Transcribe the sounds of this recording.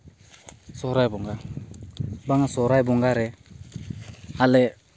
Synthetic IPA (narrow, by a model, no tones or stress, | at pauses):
sɔɾajbʊŋɡa | baŋasɔɾajbʊŋɡaɾɛ | halɛ